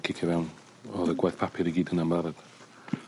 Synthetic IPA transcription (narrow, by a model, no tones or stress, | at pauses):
kʰɪkʰɛvɛwn | ɔðəɡwajθpʰapʰɪɾiɡiːdənamaɾad̥